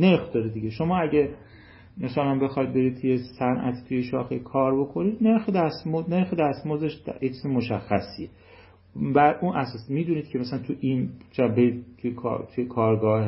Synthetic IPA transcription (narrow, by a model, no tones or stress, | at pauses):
ne̞ɾxd̪ɒd̪ed̪iɟeʃo̞mɒːæɟæ | mæsælænbe̞xɒjd̪̚be̞ɾid̪̚t̪ʰujesænʔæ̰t̪ʰi̥t̪ʰujeʃɒːxekʰɒːɾbo̞kʰo̞niːd̪ne̞ɾxed̪æst̪mone̞ɾxed̪æst̪mozeʃjet͡ʃʰiːzemoʃæxːæsie | bæɾunʔæsɒːsmiːd̪uniːd̪̥̚kʰemæsælænt̪ʰuʔint͡ʃʰebeɾiːd̪̚t̪ʰujekʰːt̪ʰujekʰɒːɾɡɒːh